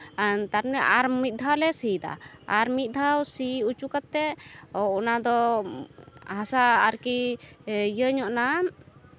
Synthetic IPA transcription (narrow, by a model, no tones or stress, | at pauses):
t̪aɾnəʔaɾmit̪̚ˀd̪ʱawlɛsid̪a̰aɾmit̪̚ˀd̪ʱawsiut͡ʃukat̪ːɛɔɔnad̪ɔ | hasaːɾki | jəɲɔʔna